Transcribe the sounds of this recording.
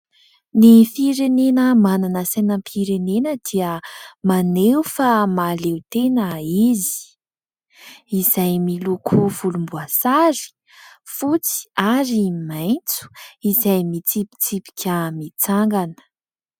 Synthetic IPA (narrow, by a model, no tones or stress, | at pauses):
nifiɾenenəmananəsenəmpʰiɾenenəd̪̥iəmanewfamalewt̪enəizi̥ | izajmilukʰuv̥ulumbuasaɾi̥ | fut͡si̥aɾimajnt͡su̥izajmit͡sipi̥t͡sipi̥kʲəmit͡saŋɡanə̥